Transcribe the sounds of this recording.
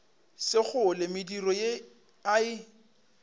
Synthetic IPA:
sɪχʊlɪmɪdirɔje | aɪ

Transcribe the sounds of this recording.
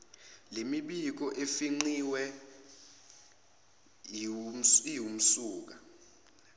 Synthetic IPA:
lemiɓik̬ɔʔefiŋ͡ǀiwɛ | jum̩suːk̬a

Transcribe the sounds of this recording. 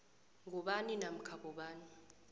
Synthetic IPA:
ŋɡʱɔɓaninam̩kʰaɓɔɓaːni

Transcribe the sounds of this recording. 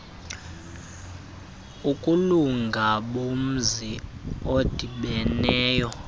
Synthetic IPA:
ukʼuluŋɡʱaɓom̩ziod̥ʱiɓɛnɛːjɔ

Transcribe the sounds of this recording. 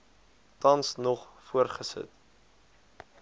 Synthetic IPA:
tɐnsnɔχfuərχəsə̰t

